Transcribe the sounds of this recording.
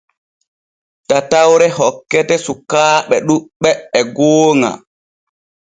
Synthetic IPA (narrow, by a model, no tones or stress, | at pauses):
tatawɾɛɦɔkːɛtɛsukaːɓɛɗuɓːɛːɡoːŋa̰